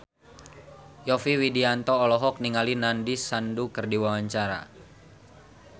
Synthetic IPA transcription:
jɔfiwidiant̪ɔːlɔɦɔk̚niŋalinandisandukɨrdiwawaɲt͡ʃaɾa̰

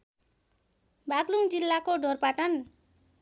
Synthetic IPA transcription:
bʱaɡluŋd͡zilːakoɖorpaʈan

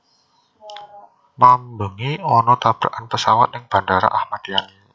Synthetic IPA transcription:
mambəŋiɔnɔt̪ab̥ɾa̰ʔanpəsawat̪̚nɪŋb̥a̤ndaɾa̰ʔahmat̪jani

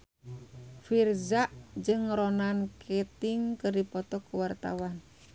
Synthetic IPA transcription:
firzaʔd͡ʒɨŋɾɔnankʰɛt̪ɪŋkɨrdipɔt̪ɔkuwart̪a̰wan

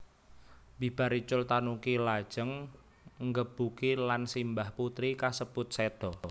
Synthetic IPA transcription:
bi̤b̥a̤ɾit͡ʃʊlt̪anukilad̥ʒ̥əŋ | ŋɡəb̥ukilansimbahput̪ɾikasəb̥ʊt̪̚sed̪̥ɔ

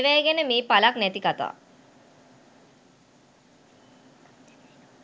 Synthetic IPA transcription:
ʋæjɡenəmeːpalaknæt̪ikat̪a̰ː

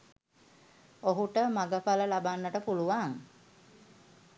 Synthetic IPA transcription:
oɦuʈəmaɡəpaləlabanːəʈəpuluʋaŋ

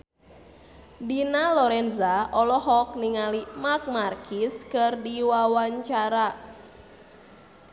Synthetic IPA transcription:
dinalɔɾɛnzaʔɔlɔhɔk̚niŋalimak̚markʰiskɨrdiwawaɲt͡ʃaɾa

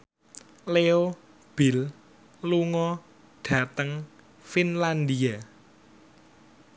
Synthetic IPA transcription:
leo | b̥i̤l | luŋɔ | ɖ̥ä̤t̪əŋ | finland̪ia

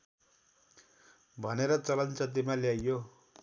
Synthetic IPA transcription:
bʱʌneɾʌt͡sʌlʌnt͡sʌt̪̬imaljajjo

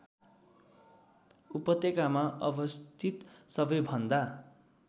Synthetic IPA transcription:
upʌt̪ekamaʔʌbʌst̪ʰit̪sʌbʌjbʱʌnd̪a

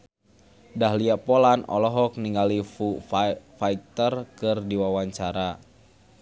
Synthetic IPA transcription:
daɦliapɔlanʔɔ̰lɔɦɔk̚niŋɡalifufaik̚t̪ərkɨrdiwawaɲt͡ʃaɾa

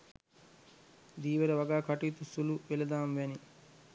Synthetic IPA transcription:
d̪iːʋeɾɐʋaɡaːkaʈiːt̪usuluʋelɐd̪aːmʋæni

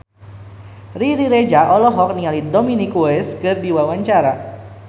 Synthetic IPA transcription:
riɾiɾed͡ʒaʔɔlɔɦɔk̚niŋalidominikuɛskɨrdiwawaɲt͡ʃaɾa

